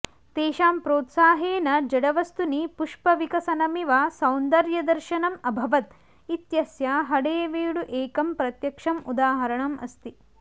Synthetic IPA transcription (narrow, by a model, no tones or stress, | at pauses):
t̪eːʃaːmpɾoːt̪saːɦeːnɐd͡ʒɐɽɐʋɐst̪unipuʂpɐʋikɐsɐnɐmiʋaːsɐwnd̪ɐɾjɐd̪ɐɾʃɐnɐmɐbʱɐʋɐt̪ | it̪jɐsjaːɦɐɽeːɐʋeːɽuʔeːkɐmpɾɐt̪jɐkʂɐmud̪aːɦɐɾɐɳɐmɐ̰st̪i